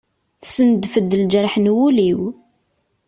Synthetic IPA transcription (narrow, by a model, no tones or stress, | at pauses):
θsənd̪fəd̪ːəld͡ʒəɾħnwuliw